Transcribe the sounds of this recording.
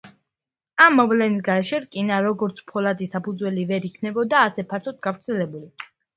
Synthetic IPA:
amːɔvlɛnisɡaɾɛʃɛɾkʼinaɾɔɡɔɾt̪sʰpʰɔlad̪isapʰud̪zwɛlivɛɾikʰnɛbɔd̪aːsɛpʰaɾt̪ʰɔt̪̚ɡavɾt̪sʰɛlɛbuli

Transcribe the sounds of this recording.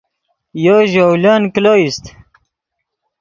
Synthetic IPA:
joʒowlankloist̪

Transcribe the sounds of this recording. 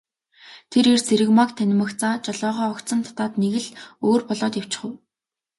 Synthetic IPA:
t̪ʰeɾert͡sʰeɾɘ̆kmakt̪ʰænʲɪ̆mə̆kt͡saːt͡ɕɔɮɔːʁɔːɔkt͡sə̆nt̪ʰḁt̪aːt̪neɣɘ̆ɮoːrpɔɮɔːt̪jaw̥t͡ɕɪ̥̆χŭw

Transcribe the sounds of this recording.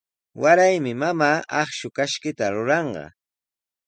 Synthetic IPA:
waɾajmɪmamaːɑχʃʊkaʃkɪt̪aɾʊɾɑɴɢɑ̰

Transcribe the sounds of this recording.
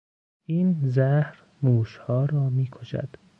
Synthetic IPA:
ʔiːnzæhɾ | muːʃhɒːɾɒːmiːkʰoʃæ̰d̪̥

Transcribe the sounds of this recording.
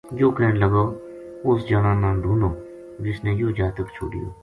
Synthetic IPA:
d͡ʒoːkɛːnləɡoː | ʊsd͡ʒənãːnãːd̪ʱuːnoː | d͡ʒɪsnẽːjoːd͡ʒaːt̪əkt͡ʃʰo̰ːɖɪ̰jo̰ː

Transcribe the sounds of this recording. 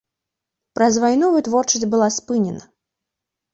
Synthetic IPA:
pɾɐzvajnɔvɨt̪vɔrt͡ʂɐsʲbɨlˠaspɨnʲɛnɐ

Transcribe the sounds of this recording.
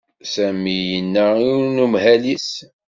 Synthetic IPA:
sæmijənːæinumhælis

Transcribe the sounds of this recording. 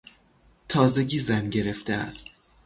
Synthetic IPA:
t̪ʰɒːzeɟiːzænɟe̞ɾeft̪eæ̰st̪

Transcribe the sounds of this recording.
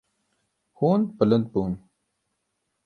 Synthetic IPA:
hoːnpələnd̪̚puːn

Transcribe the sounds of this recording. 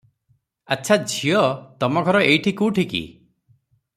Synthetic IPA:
atːt͡ʃʰad͡ʒʱiɔt̪ɔmɔkʰɔɾɔʔejʈʰikuʈʰikḭ

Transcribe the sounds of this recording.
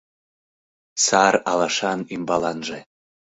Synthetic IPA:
sɑɾɑlɑʃɑnimbɑlɑnʒe

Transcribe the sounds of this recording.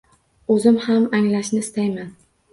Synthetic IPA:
ɵzɪmhamaŋlaʃnɪɪst̪ajman

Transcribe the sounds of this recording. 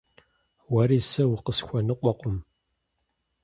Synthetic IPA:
wɐɾiːsɐwqəsxʷɔnɨqʷʼɔqʷʼʊm

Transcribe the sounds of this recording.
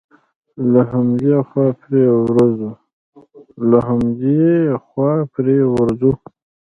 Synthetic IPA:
laɦamdiaxwɑpɾewɾazu | laɦamd̪ixwɑpɾewaɾzu

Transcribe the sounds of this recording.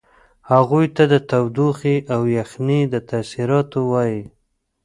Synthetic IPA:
haɣujt̪ad̪ət̪awd̪uxiʔawjaxnid̪ət̪asiɾɑt̪owɑji

